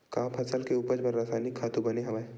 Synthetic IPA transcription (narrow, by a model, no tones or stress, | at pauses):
kaːpʰɐsəlkeuːpəd͡ʒbəɾːaːsaːnɪkʰːaːt̪ũbɐneɦɐmaːe